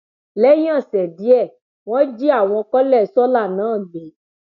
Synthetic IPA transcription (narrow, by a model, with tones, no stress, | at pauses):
lɛ˦jã˦˨sɛ˨di˨˦ɛ˦˨ | wɔ̃˦d͡ʒi˦a˦˨w̃ɔ̃˧kɔ˦lɛ˦˨sɔ˦la˦˨nãː˨˦˨ɡ͡be˨˦